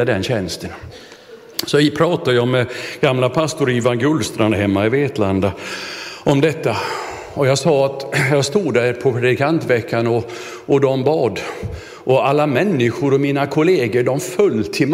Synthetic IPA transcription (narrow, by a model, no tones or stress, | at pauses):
ad̪ɛnɕɛnst̪ən | sɔpʰɾɑːt̪ad̪əjɑːmɛɡ̥amlapʰast̪ʊɾiːvanɡɵlst̪ɾanɦɛmːaɪveːt̪land̪a | ʔɔmd̪ɛt̪ːa | ɔjɑːɡsɑːat̪jɑɡst̪uːd̪ːæɾpʰɔpʰɾɛd̪ɪkʰant̪vɛkːanɔ | ʔɔd̪ɔmbɑːd̪ | ʔɔalːamɛnːɪɧʊɾɔmiːnakʰʊleːɡəɖɔmfœlːt̪ʰɪm